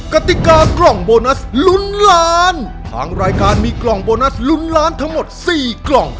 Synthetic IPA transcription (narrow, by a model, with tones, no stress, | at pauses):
ka˧˩t̪i˨˩kaː˧klɔ˨˩ŋboː˧na˦˥slu˦˥nlaː˦˥nt̪ʰa̰ː˧˥ŋɾaː˧jkaː˧nmiː˧klɔ˨˩ŋboː˧na˦˥slu˦˥nlaː˦˥nt̪ʰa˦˥ŋmo˨˩t̪̚siː˨˩klɔ˨˩ŋ